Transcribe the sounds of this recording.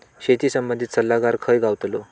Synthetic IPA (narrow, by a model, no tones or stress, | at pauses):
ɕet̪iːsəmbənd̪ʱit̪səlːaɡaɾkʰəjɡawt̪lo